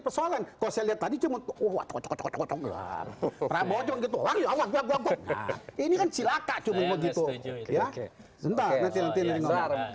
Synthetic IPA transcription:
pərsoalankalɔsajaliat̪ːadit͡ʃumət̪owa̰t͡ʃɔkt͡ʃɔkt͡ʃɔkt͡ʃɔkt͡ʃɔŋɡəa̰rpəɾabaɔd͡ʒɔŋɡit̪̬uwarjoawaɡuaɡuaɡɔna̰inikant͡ʃilakaʔt͡ʃumanmaɡit̪uja | sənt̪anant̪inant̪inaɾiŋ

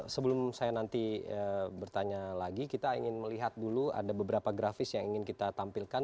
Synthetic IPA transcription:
səbəlʊmsajanant̪iəbərt̪aɲalaɡikit̪aiŋɪnməliɦat̪̚dulua̰dabəbəɾapaɡɾafɪsjaŋiŋɪnkit̪at̪ampilkan

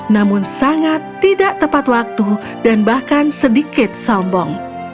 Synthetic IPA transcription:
namʊnsaŋat̪ːidaʔt̪əpat̪wak̚t̪u | danbahkansədikɪt̪̚sɔmbɔŋ

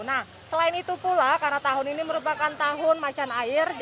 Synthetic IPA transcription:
nah | səlaɪnit̪upulakarnat̪aɦʊniniməɾupakant̪aɦʊnmat͡ʃanaɪrd͡ʒ

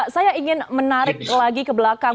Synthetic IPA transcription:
sajaiŋɪnmənaɾɪk̚laɡikəbəlaka

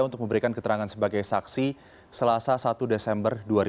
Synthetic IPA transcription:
aunt̪ʊk̚məmbəɾikankət̪əɾaŋansəbaɡajsaksi | səlasasat̪udesɛmbərduaɾi

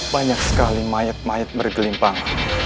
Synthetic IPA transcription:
baɲak̚sə̥kalimajət̪̚majət̪̚bərɡəlimpaŋ

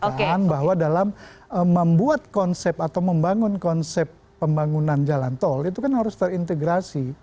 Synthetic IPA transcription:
oenbaɦwadalaməːəmbuat̪̚kɔnsɛpat̪awməmbaŋʊnkɔnsɛpːəmbaŋunand͡ʒalant̪ɔlit̪ukanhaɾʊst̪ərint̪eɡɾasi

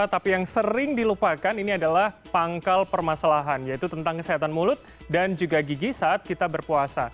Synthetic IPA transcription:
t̪apijaŋsəɾɪŋdilupakaniniadalahpaŋkalpərmasalaɦanjait̪ut̪ənt̪aŋkəseɦat̪anmulʊt̪̚ | dand͡ʒuɡaɡiɡisaat̪̚kit̪abərpuasa

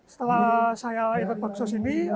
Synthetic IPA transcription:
sə̥t̪əlasajaikʊt̪̚b̥aksɔsini

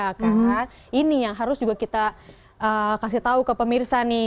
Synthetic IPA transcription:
akarna | inijaŋɦaɾʊsd͡ʒuɡakit̪a | ʔəkasɪt̪aukəpəmirsani

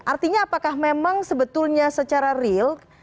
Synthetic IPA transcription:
ʔart̪iɲaːpakahmemaŋsəbət̪ʊlɲasət͡ʃaɾarɪlk

